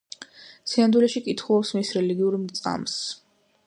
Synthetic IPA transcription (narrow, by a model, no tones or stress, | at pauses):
sʰiand̪wilɛʃikʼit̪ʰχulˠɔpsmisɾɛliɡiuɾmt̪sʼa̰ms